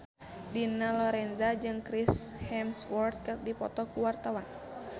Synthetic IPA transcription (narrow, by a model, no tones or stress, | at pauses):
dinalɔɾɛnzad͡ʒɨŋkɾishɛmswɔrt̪̚kɨrdipɔt̪ɔkuwart̪awan